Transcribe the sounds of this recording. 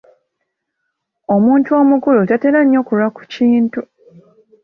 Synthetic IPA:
o̞muːntuo̞ːmukulotate̞ɾaɲːo̞kulwaku̥ciːntu

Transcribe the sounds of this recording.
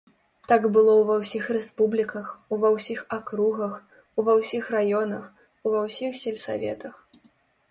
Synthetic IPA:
t̪aɡbɨlˠɔwvɐwsʲixrɛspublʲikɐxuvɐwsʲixakɾuɣɐx | wvɐwsʲixrajɔnɐx | uvɐwsʲixsʲɛlʲsa̰vʲɛ̰t̪ɐx

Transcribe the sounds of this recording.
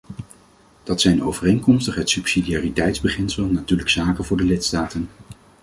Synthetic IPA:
d̥ɑtsɛjnowvərejŋkɔmstəχɦətsypsidiaːritɛjtzbəχɪnsəlˠnatyːɹləksaːkənvʊːɹdəlɪtstaːtən

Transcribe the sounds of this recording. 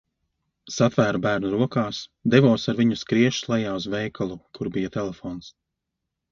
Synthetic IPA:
sat̪væːɾubæːɾnuɾuɔkaːsd̪evɔːsaɾviɲuskɾiɛʃslˠɛjaːuzvɛjkʰalˠukʰuɾbijat̪ɛlefɔːns

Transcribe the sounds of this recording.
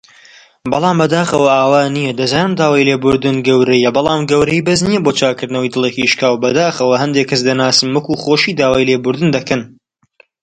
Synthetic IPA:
bɑlˠɑːmbɐd̪aːxɐwɐaːwaːnijɐd̪ɐzaːnɨmd̪aːwaːjleːbʊɾd̪ɨnɡɐwɾɐjɐbɑlˠaːmɡɐwɾɐibɐznijɛboːt͡ʃʰaːkɨɾd̪nɐwijd̪ɨlˠeciʃkaːwbɐd̪aːxɐwɐɦɐnd̪eːkʰɐsd̪ɐnaːsɨmwɐkuχoːʃiːd̪aːwaːjleːbʊɾd̪ɨnd̪ɐkɐn

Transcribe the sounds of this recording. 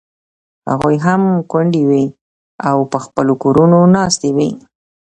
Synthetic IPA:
ha̰ɣujɦamkwaɳɖiwi | awpəxpəlokoɾunonɑst̪ewi

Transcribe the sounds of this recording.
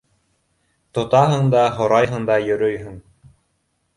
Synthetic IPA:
t̪ŏt̪ɑɦɤɴd̪ɑɦŏɾɑjɦɤ̆ɴd̪ɑjɵ̆ɾɵjɦɵŋ

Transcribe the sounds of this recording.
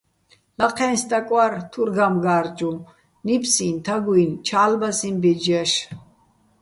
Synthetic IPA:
laqʰɛnst̪ʼakʼwaɾt̪ʰuɾɡamɡaːɾd͡ʒum | nipʰsint̪ʰaɡuint͡ʃʰaːlbasimbɛd͡ʒaʃ

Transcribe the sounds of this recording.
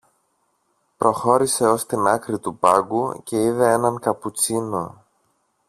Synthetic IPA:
pɾo̞xo̞ɾise̞o̞st̪inɐkɾit̪upɐɡuce̞iðe̞e̞nɐŋkɐput͡sino

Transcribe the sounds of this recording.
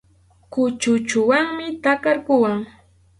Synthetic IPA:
kʊt͡ʃʊt͡ʃʊwaŋmɪt̪akaɾkʊwaŋ

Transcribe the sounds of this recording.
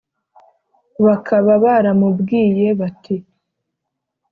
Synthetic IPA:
βakʰaβaβaɾamubɡiːje̞βati

